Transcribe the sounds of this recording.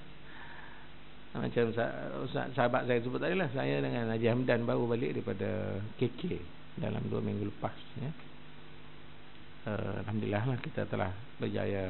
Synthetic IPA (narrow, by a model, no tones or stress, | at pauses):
ma̰t͡ʃamsasa̰ʔsəɦabaʔ̪̚sajat̪əsəbʊt̪adilahsa̰jadəŋanad͡ʒiɦamdanbaɾubalɪʔ̚daipada̰kekʰe | da̰la̰mdua̰miŋɡuləpasjə | ə̰a̰lɦamduliaɦlahkit̪a̰t̪əla̰h | bərd͡ʒa̰ja